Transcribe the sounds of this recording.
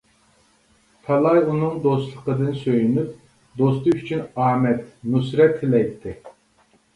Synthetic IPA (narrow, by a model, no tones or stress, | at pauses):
t̪ʰɑlˠɑjunɨŋd̪ost̪lˠəqəd̪ɨnsøjynyp̚ | d̪ost̪ɨyt͡ʃʰynɑːmɛt̪nus̬ɾɛt̪ʰːɪlɛjt̪ʰːɪ